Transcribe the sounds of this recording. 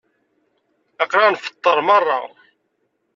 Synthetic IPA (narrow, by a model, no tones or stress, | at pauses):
ɑqɾanfə̥t̪ˤːəɾˤmərˤːɑ̰